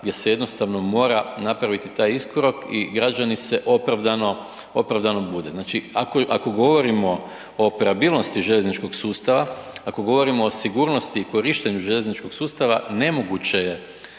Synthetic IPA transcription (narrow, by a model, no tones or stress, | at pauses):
ɡd̪je̞se̞je̞d̪no̞st̪aʋno̞mo̞ːɾanapɾaʋit̪it̪aːjiskoɾo̞kiɡɾad͡ʒanise̞ʔo̞pɾaʋd̪ano̞ | opɾaʋd̪ano̞bud̪e̞znaːt͡ʃiakoʔako̞ɡo̞ʋo̞ɾimo̞ | oːpeɾabilˠno̞st̪iʒe̞ʎeznit͡ʃko̞ɡsuːst̪aʋaako̞ɡo̞ʋo̞ɾimo̞ːsiɡuːɾno̞st̪iːko̞ɾiʃt̪eɲuʒeʎeznit͡ʃko̞ksuːst̪aʋa̰ne̞mo̞ɡut͡ɕe̞je̞